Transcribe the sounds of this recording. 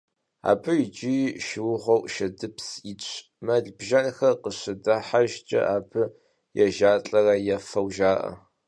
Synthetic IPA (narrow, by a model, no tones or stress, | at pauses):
a̰ːbʰɨit͡ʃʼiʃɪwʊʁʷɔwʃɐdɨpsit͡ɕʷʰ | mɐɮbʒɐnxɐrqəɕɪdɐħaʒt͡ʃʼɐ̰ʔaːbʰɨ | jɛʒaːɬʼɐrɐjɛfɐwʒaːʔɐ̰